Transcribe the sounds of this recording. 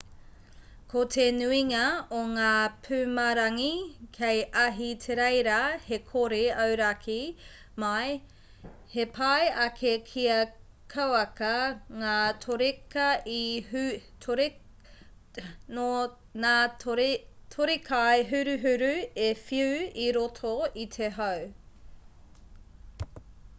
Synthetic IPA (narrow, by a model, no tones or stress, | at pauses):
kʰotʰenʉiŋɐoŋaːpʰʉmɐɾɐŋikʰejʔɐɦitʰeɾejɾɐhekʰoɾeɐwɾɐkʰi | mɐj | hepʰɐjɐkʰekʰiɐ | kʰɐwɐkɐŋaːtʰoɾekɐi | tʰɾ | no | naː | tʰoɾikʰajɦʉɾʉɦʉɾʉefiʉwiɾotʰoit̪ʰeɦɐw